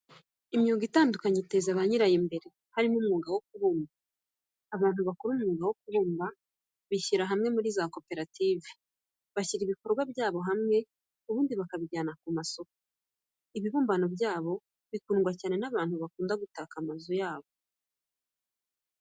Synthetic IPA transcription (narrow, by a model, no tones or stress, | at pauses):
imɲuːŋɡitaːndukaɲete̞zaβaɲiɾajimbe̞ɾe̞ | haɾimumŋuːɡawo̞kuβuːmbaː | βaːn̥huβakoɾumŋuːɡawo̞kuβuːmba | βiçiɾaɦamŋe̞muɾiːzako̞pe̞ɾatiːve | βaciɾiβiko̞ɾɡwabjaːβo̞ɦamŋe̞ | uβuːndiβakaβiɟaːnakumaso̞ko | iβiβuːmbano̞bjaːβo̞ | βikuːŋɡwacaːne̞naβaːn̥huβakuːndaɡutaːkamazojaːβo